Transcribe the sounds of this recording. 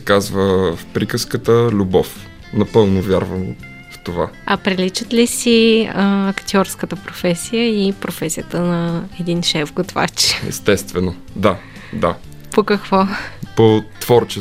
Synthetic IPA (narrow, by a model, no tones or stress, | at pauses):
ɛkazvəfpɾikəskət̪əlʲubɔf | nɐpɤlˠnovʲjaɾvəm | ft̪ovaɐpɾilit͡ʃət̪lisiəɐkt̪ʲiɔɾskət̪əpɾofɛsijəipɾofɛsijət̪ənɐɛd̪inʃɛfɡot̪va̰t͡ʃɛ̰st̪ɛst̪vɛno | d̪a | d̪a | pokɐkvɔpot̪v̥ɔɾt͡ʃɛ